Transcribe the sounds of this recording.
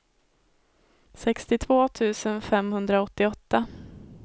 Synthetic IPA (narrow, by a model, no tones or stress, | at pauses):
sɛkst̪ɪt̪ʰvoːt̪ʰʉ̟ːsənfɛmhɵnd̪ɾaɔt̪ːɪɔt̪ːa